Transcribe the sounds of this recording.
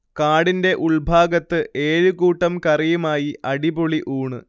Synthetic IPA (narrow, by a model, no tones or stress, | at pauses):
kaːɽinde̞ʔuɭbʱaːɡɐt̪ːɨʔe̞ːɻukuːʈːɐmkɐrijumaːjiɐɽiboɭiʔuːɳɨ